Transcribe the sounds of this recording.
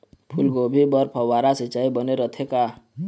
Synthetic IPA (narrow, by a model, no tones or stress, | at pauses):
pʰulɡobʱibəɾpʰəwaɾasət͡ʃaibəneɾət̪ʰeka